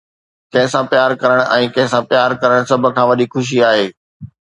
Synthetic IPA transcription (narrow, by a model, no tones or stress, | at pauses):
kɐ̃ɦɪ̃sãːpjaːɾkɐɾəɽ̃ʔɛ̃ːkɐ̃ɦɪ̃sãːpjaːɾkɐɾəɽ̃sɐbʱə̆kʰãːʋɐɗixʰʊʃ̬iaːɦeː